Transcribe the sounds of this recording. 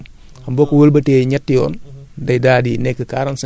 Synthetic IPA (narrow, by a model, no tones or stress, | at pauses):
ɐmbɔkːuwəlbɐtɛːɲɛtːijɔːndɐjdaːdinɛkːəkaːɾɐns